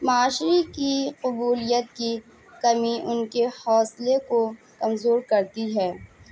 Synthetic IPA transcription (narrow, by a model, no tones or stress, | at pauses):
mɐaːʃɾikiqʊbuːlijət̪ki | kɐmiʔʊnkehɔːsleko | kɐmzoːɾkɐɾt̪iɦɛː